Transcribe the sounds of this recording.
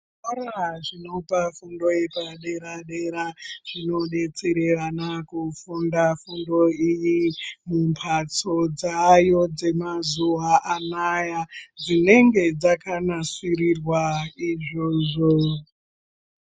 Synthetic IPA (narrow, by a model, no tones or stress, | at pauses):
oɾaʐino̞pafundojepaɗe̞ɾaɗeɾaʐ̥ino̞ɗe̞t͡siɾeranakufundafundo̞ijimumpʰat͡so̞d͡zajo̞d͡ze̞mazuaʔanajad͡zine̞ŋɡe̞d͡zakanasirirwaiʐoʐo